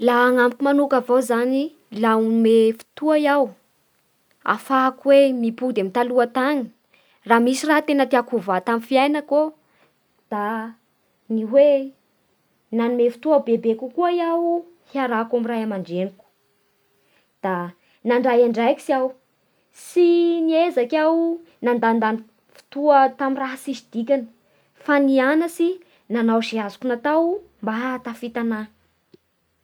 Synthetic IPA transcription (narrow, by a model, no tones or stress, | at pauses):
laːŋampukʲumanukavawzani | lamefi̥t̪uajaw | a̰fakwemipud̪emit̪aluat̪aŋi̥ | raːmisirat̪enət̪iakuvat̪amifiajnəko | d̪̥a | niwe | nanumefi̥t̪uabebekukuajawu | hiaɾakamirajamaɳɖ͡ʐeniku̥ | d̪̥a | naɳɖ͡ʐajaɳɖ͡ʐajki̥siaw | siniezakʲaw | nand̪and̪an | fi̥t̪uət̪amiraɦasizid̪̥ikʲanə̥ | fanianəsi | nanawʃiazu̥kunat̪awmbaɦt̪afit̪ana